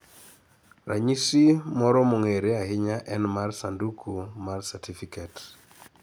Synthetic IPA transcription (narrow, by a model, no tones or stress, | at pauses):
ra̰ɲisimɔɾɔmoŋeɾeaɦɪɲaʔɛnmarsandukʰumarsatʰifikɛt